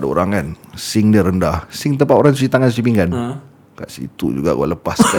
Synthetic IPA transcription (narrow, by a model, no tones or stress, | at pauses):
dəo̰ɾaŋkansɪŋdəɾəndahsɪŋt̪əmpat̪oɾaŋs̬usit̪aŋansusipiŋkan | ka̰ʔsḭt̪ṵd͡ʒṵɡa̰ʔɡṵa̰ləpaska